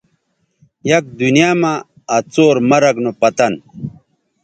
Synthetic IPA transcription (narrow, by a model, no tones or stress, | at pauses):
jɐk̚d̪unijaːmaː | t͡soːɾmɐɾɐɡnopɐt̪ɐn